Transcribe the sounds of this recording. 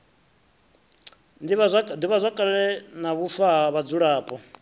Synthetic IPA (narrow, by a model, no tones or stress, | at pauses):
diβaand̪iβazʷakʼaɺɛnaβufaɦaβad͡zuɺaːpʼɔ